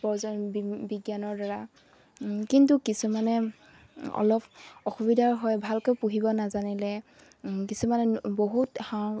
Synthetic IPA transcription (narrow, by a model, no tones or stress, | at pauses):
pɔzɔnbiɡjanɔɹdaɹa | kintukisumanɛ | ɔ̰lɔpɔxubidʱaɹɦɔjbʱalkojpuɦibɔnazanilɛ | kisumanɛboɦutxa